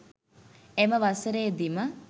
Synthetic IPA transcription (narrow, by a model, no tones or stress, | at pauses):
eməʋasəɾeːd̪imə